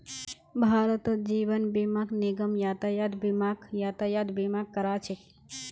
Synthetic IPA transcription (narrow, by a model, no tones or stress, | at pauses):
bʱaːɾət̪əd͡ʒiːʋənbemaːkneɡəmjaːt̪ajaːd̪bimaɡjaːt̪ajaːd̪bemak̚kːəɾaːt͡ʃʰek